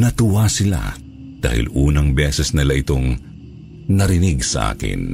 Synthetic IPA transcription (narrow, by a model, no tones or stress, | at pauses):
nɐt̪ʊwasɪla̰ | d̪̥a̰ːhɪ̰luːnɐŋbɛːsɛsnɪlaʔɪt̪o̞ŋ | nɐɾɪnɪɡsɐʔa̰ːkɪ̰n